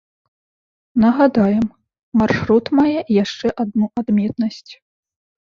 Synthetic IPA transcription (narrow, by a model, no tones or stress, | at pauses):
nɐɣad̪ajɛm | marʂɾut̪majɛjaʂt͡ʂɛʔad̪nuʔad̪mʲɛt̪nɐsʲt͡sʲ